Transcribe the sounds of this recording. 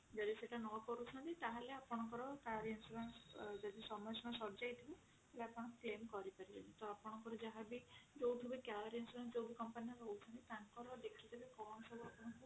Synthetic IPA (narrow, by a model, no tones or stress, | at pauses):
d͡ʒɔd̪iseʈanɔkɔɾut͡ʃʰɔnt̪it̪aɦaleapɔɽ̃ɔŋkɔɾɔkaɾiinsuɾansd͡ʒɔd̪isɔmɔjɔsɔmɔsɔɾd͡ʒajt̪ʰibe | heleapɔɽ̃ɔ̃plemkɔɾipaɾibelit̪oapɔɽ̃ɔ̃ŋkɔɾɔd͡ʒaɦabid͡ʒowt̪ʰibekaɾiinsuɾansd͡ʒowbikɔmpaniɔɾɔwt͡ʃʰɔnt̪it̪aŋkɔɾɔd̪ekʰit̪ibekɔɳɔsɔbʱuapɔɽ̃ɔŋku